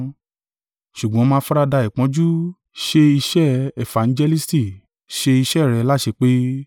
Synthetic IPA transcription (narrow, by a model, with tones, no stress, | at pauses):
ʃu˨ɡ͡bɔ̃˨˦mã˧˦fɔ˦ɾa˧da˧i˨k͡pɔ̃˨˦d͡ʒu˦ | ʃe˧i˧ʃɛ˦ɛ˨fã˨n̩˦d͡ʒɛ˧li˦sti˦˨ | ʃe˧i˧ʃɛ˦˨ɾɛ˧la˦˨ʃe˧k͡pe˦